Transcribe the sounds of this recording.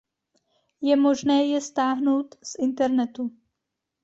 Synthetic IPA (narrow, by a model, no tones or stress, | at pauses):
jɛmo̞ʒnɛːjɛst̪aːɦno̞wt̪sʔɪnt̪ɛɾnɛt̪u